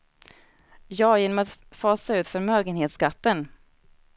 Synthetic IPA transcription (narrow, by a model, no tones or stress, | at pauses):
jɑːjeːnɔmat̪fɑːsaʉ̟ːt̪fœɾmøːɡənheːt̪sɡat̪ːən